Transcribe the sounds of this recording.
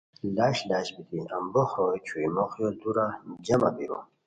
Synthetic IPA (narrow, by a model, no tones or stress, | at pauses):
laɕlaɕbit̪iambɔhɔɛt͡ɕʰuimɔχjɔd̪uɾamd͡ʑama̰biɾɔ̰